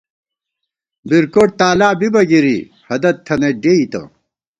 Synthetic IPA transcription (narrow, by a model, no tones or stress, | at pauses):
biɾkoːʈ̚t̪aːlaːbibɐɡiɾḭ | hɐd̪ɐt̪ʰːɐneɖeit̪ɐ̰